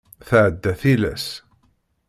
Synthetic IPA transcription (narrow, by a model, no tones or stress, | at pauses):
θʕəd̪ːæθilæ̰s